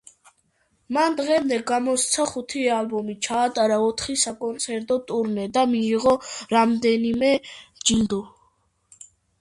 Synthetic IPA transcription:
mand̪ʁɛmd̪ɛɡamɔst̪sʰaχut̪ʰialbɔmit͡ʃʰaːt̪ʼaɾaɔt̪ʰχisakʼɔnt̪sʰɛɾt̪ʼɔt̪ʼuɾnɛd̪amiːʁɔɾamd̪ɛnimɛd͡ʒind̪u

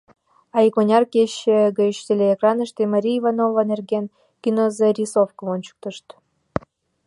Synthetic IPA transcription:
ɑikonʲɑrkeɕeɡeɕt̪ʲelʲeːkrɑnəʃt̪emaɾʲiːvanovanerɡʲen | kʲinozerʲisofkovont͡ɕu̥k̚t̪əʃt̪

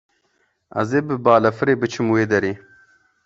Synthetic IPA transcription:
ɐ̰zeːbɨbaːlɐfɨɾeːbɨt͡ʃʰɨmweːd̪ɐɾiː

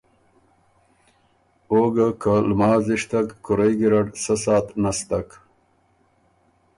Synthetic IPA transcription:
oːɡakalmɑːziʂt̪akkʊɾajɡiɾaɽsəsɑːt̪nast̪ak

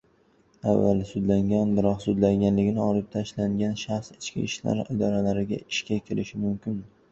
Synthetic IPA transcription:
avːalsʊd̪laŋɡʲanbɪɾɒqsʊd̪laŋɡʲanlɪɡʲɪnɪɒlɪp̚t̪ʰaʃlaŋɡʲanʃaχsɪt͡ʃkʲɪ̰ːʃla̰ɾɪd̪ɒɾalaɾɪɡʲa̰ɪʃkʲakʲʰɪɾɪʃɪmʊmkʲʰɪn

